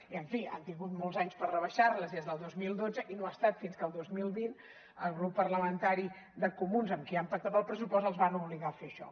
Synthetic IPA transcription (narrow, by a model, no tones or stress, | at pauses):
iəɱfia̰nt̪iŋɡut̪molˠzaɲspərrəβəʃarləzðezðəlˠd̪ozmilˠd̪od͡zəʔinoast̪at̪finskəlˠd̪ozmilˠβin | əlˠɣɾupːərləmənt̪aɾi | d̪əkumunzəmkiampak̚t̪ap̪əlˠpɾəs̬upɔst̪əlˠzβanuβliɣafeəʃɔ̰